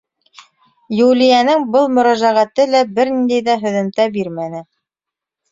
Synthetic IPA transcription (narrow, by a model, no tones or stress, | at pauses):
julʲijænɘŋbɤlˠmɵ̆ɾæʒæʁæt̪ɘlæbɘɾnind̪æjðæɦɵ̆ðɘ̆mt̪æbiɾmænɘ